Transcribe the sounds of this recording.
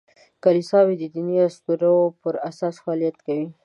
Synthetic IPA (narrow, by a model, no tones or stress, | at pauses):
kalisɑwid̪əd̪iniaskuɾapəɾasɑsfɑːlijat̪kawi